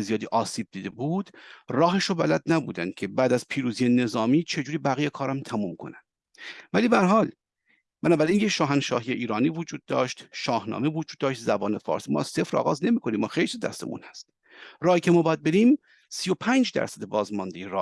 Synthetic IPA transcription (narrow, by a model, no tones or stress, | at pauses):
ezijɒːd̪iːʔɒːsiːb̚d̪iːd̪e̞buːd̪̥rɒːɦeʃobæ̰læd̪næbṵːd̪ænd̪̥̚cʲʰe̞bæːd̪æz̥pʰiːɾuːzijene̞zɒːmiːt͡ʃʰe̞d͡ʒuːɾiːbæɣijekʰɒːɾæmt̪ʰæmuːmkʰo̞̰næn | væliːbææɾɦɒːl | b̥ænɒːbæɾiːnjeʃɒːɦænʃɒːɦijeʔiːɾɒːniːvod͡ʒuːd̪̚ːɒ̰ːʃt̪ʃɒːhnɒ̰ːmevod͡ʒuːd̪ːɒːʃt̪zæbɒːnefɒ̰ːɾsimɒ̰ːæz̥sefɾɒ̰ːɣɒːzne̞miːkʰo̞niːmːɒːxejlsizd̪æ̰st̪emṵnhæst̪ | rɒːhiːcʰemɒːbɒːjæd̪̚be̞ɾiːm | sijo̞pʰænd͡ʒd̪æ̰ɾsæd̪ebɒːzmɒnd̪ejeɾɒ̰ː